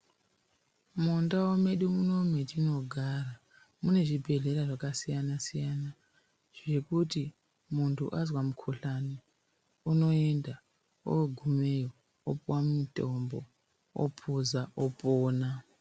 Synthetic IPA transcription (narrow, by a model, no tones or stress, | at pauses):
mundaome̞ɗumunomwe̞tino̞ɡʱara | mune̞ʐibʱe̞ɮe̞ɾaʐakasijanasijana | ʐ̥e̞kuti | muntʰṵʔazwamukʰoɬani | unoe̞nda | o̰ɡʱumejo | opwamitʼombo | o̰pʰuzaopʼoːna